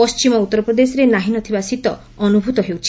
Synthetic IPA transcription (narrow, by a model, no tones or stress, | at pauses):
ɔst͡ʃimɔut̪ːɔɾɔpɾɔd̪esɔɾenaɦinɔt̪ʰibasit̪ɔ | ɔnubʱut̪ɔɦewt͡ʃʰi